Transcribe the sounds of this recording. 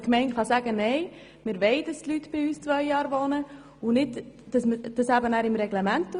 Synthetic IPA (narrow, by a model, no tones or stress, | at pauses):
kmɛɪntχɑsæːɡənɛɪ | mɪɾʋɛɪd̥ɑstlytb̥ɪyːst͡sʋœʏjɑːɾʋoːnə | ʊnɪtd̥ɑsməd̥ɑshæbənæːɾɪmɾɛɡlɛmæntː